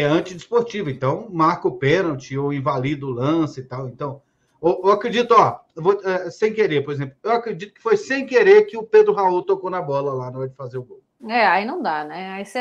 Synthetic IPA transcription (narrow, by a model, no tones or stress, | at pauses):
ɛɐ̃t͡ʃɪd͡ʒɪspoɾt͡ʃivɐẽnt̪ɐ̃w̃maɾkʊpẽnɐwt͡ʃɪowẽvalid̪ʊʊlɐ̃sɪɪt̪awẽnt̪ɐ̃w̃ | oewakɾed͡ʒit̪ʊɔvoɛsẽj̃keɾeɾpoɾezẽplʊewakɾed͡ʒit̪ʊ̥kɪ̥fojsẽj̃keɾeɾkɪʊped̪ɾʊɦauwt̪okownɐbɔlɐlanɐ̃ɛɾd͡ʒɪfazeɾʊɡow | ɛainɐ̃w̃d̪anɛais